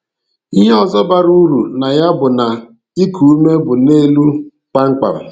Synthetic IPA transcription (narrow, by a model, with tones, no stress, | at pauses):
i˦ɦe˦ɔ˨zɔ˦ba˨ɾu˦ɾu˨na˨ja˦bʊ˨na˨ | i˦kʰu˨u˦me˦bʊ˨ne˦lu˦ | k͡pa˦ŋ͡m̩˦k͡pa̰˨ɾa̰˨